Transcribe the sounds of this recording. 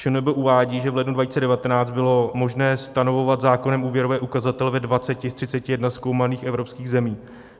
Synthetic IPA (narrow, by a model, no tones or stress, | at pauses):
ʃɛnɛbɛʔuvaːɟiːʒɛvlɛdnudvaciːt͡sɛdɛvat̪ɛnaːt͡st̪bɪlo̞mo̞ʒnɛːst̪anovo̞vat̪zaːko̞nɛmʔuːvjɛɾovɛːʔukazat̪ɛlvɛdvat͡sɛcɪst̪r̥ɪt͡sɛcɪjɛdnasko̞wmaniːxɛvɾo̞pskiːɣzɛmiː